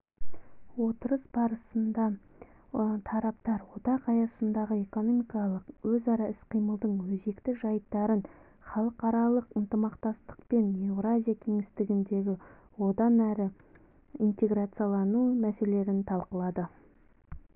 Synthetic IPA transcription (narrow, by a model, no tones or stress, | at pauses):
wo̞t̪əɾəsbɑɾəsənd̪ɑ | t̪ʰɑɾɑpt̪ɑɾwo̞t̪ɑqɑjɑsənd̪ɑʁəe̞ko̞no̞mijkɑlˠəqwɵzɑɾɑɪsqʰijməlˠd̪əɴwɵze̞kt̪ɪʒɑjt̪ːɑɾən | χɑlˠəqɑɾɑlˠəqənt̪əmɑqt̪ɑst̪ə̥qpe̞nevɾazʲijakʲʰe̞ŋɪst̪ɪɡʲɪnd̪e̞ɡʲɪ | wo̞d̪ɑnæɾɪ | int̪e̞ɡɾat̪sɨijalˠɑnumæse̞le̞ɾɪnt̪ʰɑlˠqəlˠɑd̪ə